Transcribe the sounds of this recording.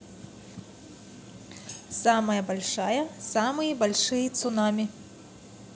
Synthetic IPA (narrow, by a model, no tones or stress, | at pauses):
samɐjɐbalʲʂajɐsamɨjɐbalʲʂɨjɐt̪sunamʲi